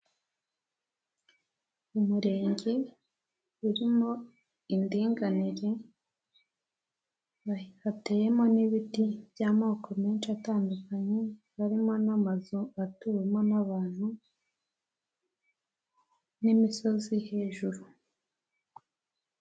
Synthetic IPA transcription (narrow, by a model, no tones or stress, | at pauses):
umuɾe̞ːɲɟe̞ | uɾimo̞ | indiːŋɡaniɾe̞ | aβate̞je̞mo̞niβitibjaːmoːko̞meːnʃataːndukaɲe̞ | βaɾimo̞namazoatumonaβaːn̥hu | nimiso̞zihe̞ːʒuɾu